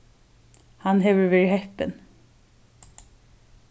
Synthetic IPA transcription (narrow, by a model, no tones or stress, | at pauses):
hanɦɛːvəɹvɛːɹɪhɛht̪ɪn